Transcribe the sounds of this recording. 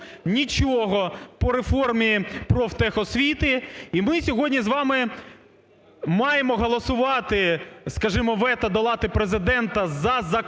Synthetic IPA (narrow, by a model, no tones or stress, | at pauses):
nʲit͡ʃɔɔɦɔpɔɾefɔrmʲijipɾɔft̪ɛxɔsʲʋʲit̪ɪimɪsʲɔɦɔdʲnʲizʋɑmɪ | mɑjemɔɦɔlˠɔsʊʋɑt̪ɪskɐʒɪmɔʋɛt̪ɐd̪ɔlˠɑt̪ɪpɾezɪd̪ɛnt̪ɐzɐzɐ